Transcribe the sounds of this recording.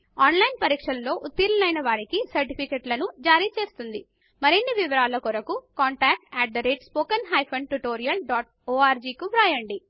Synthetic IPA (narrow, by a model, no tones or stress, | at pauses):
aːnlɐjnpɐɾiːkʂɐllo̞ːʔut̪ːiɾɐnɐjnɐʋaːɾikisɐɾʈipʰikeːʈlɐnud͡ʒaːɾiːt͡ʃe̞ːst̪und̪i | mɐɾenːiʋiʋɐɾaːlɐkuɾɐkukaːɳʈaːk̚ʈɛːʈ̚d̪ɐɾeːʈspoːkɐnɦɐjpʰɐɳʈuʈoːɾijɐlɖaːʈ | oːaːɾd͡ʒiːkubɾaːjɐɳɖi